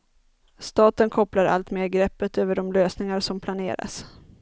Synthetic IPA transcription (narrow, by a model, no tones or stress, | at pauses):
st̪ɑːt̪ənkʰɔplaɾa̰lt̪meːɾɡɾɛpːət̪øːvəɖɔmløːsnɪŋaɾʂɔmpʰlanḛːɾa̰s